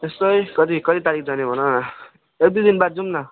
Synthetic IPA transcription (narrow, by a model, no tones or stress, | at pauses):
t̪estʌjkʌt̪̬ikʌt̪it̪aɾik̚d͡zʌnebʱʌnʌ | ek̚d̪ujd̪inbaɾd͡zumna